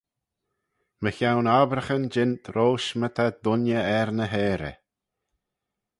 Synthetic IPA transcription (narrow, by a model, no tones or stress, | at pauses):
məçawnabɾəxənd͡ʒɪnt̪ʰɾoːʃmət̪ʰad̪ʊnjəɛɾnəɦeːɾə̰